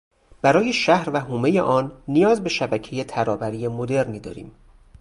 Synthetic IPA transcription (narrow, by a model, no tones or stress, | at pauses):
b̥æɾɒːjeʃæhɾvæɦuːme̞jḛʔɒːnːijɒːzbe̞ʃæbæcʰejet̪ʰæɾɒːbæɾiːjemo̞d̪e̞ɾniːd̪ɒ̰ːɾḭːm